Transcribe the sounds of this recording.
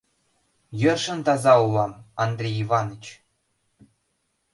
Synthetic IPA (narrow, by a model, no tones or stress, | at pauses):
jɤ̆rʂɤ̆nt̪ɑzɑulˠɑmɑnd̪rʲejivɑnɤ̆t͡ɕ